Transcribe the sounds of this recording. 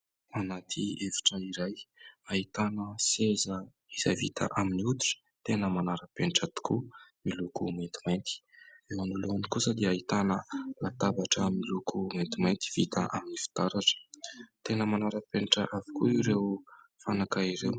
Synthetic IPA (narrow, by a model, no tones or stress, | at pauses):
anat̪ʰievi̥ʈ͡ʂəiɾajait̪anəsezə | iz̥a̰vit̪ʰa̰ʔaminiut̪u̥ʈ͡ʂt̪enəmanaɾəpeɳʈ͡ʂat̪i̥kumilukument̪i̥majnt̪i̥ewanuluanikusəd̪iait̪anəlat̪abaʈ͡ʂəmilukument̪imajnt̪i̥v̥it̪aʔaminifi̥t̪aɾaʈ͡ʂə̥t̪enəmanaɾəpenʈ͡ʂəʔavi̥kuiɾew | fanakaiɾew